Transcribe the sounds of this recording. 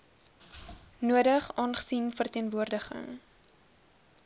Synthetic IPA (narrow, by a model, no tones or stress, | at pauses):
nuədəχɑːnχə̥sinfərtiənvuərdəχə̰ŋ